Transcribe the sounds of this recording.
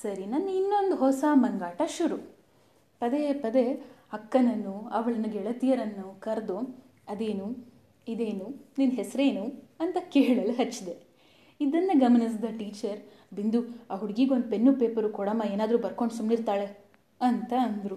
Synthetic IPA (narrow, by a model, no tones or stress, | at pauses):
sɐɾinɐnːinːond̪uɦɔsɐmɐŋɡaːʈɐʃuɾu | pɐd̪epɐd̪ehɐkːɐnɐnːuɐʋɐɭɐnuɡɛɭɐt̪ijɐɾɐnːukɐɾd̪u | ɐd̪eːnu | id̪eːnuninɦesɾeːnuɐnt̪ɐkeːɭɐluɦɐt͡ʃːid̪e | id̪ɐnːɐɡɐmɐnisd̪ɐʈiːt͡ʃɐɾ | bind̪uaːɦuɽɡiɡond̪̚penːupeːpɐɾukɔɽɐmɐeːnaːd̪ɾuːbɐɾko̞ɳɖsumniɾt̪aːɭe | ɐnt̪ɐːnd̪ɾu